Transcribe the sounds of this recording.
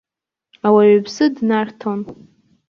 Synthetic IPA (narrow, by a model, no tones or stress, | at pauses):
awaɥabsɨdnartʰon